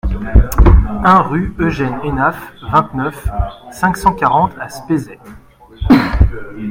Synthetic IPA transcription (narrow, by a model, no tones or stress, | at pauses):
ɛ̃ʁyøʒɛnenafvɛ̃t̪nœfsɛ̃ksɑ̃kʲaʁɑ̃t̪ʰaspezɛ